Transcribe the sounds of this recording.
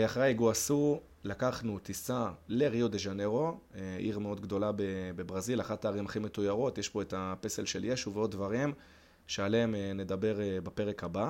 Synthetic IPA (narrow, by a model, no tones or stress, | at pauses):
eaχʁeiɡoasu | lakaχnut̪isale̞ʁiod̪e̞ʒane̞ʁo̞eʔiʁmeo̞d̪ɡd̪o̞labebe̞bʁazilaχataːʁimaχimetujaʁo̞tjeʃpo̞etape̞se̞lʃeljeʃuveo̞d̪̚vaʁim | ʃe̞aleemene̞d̪abe̞ʁbape̞ʁe̞khaba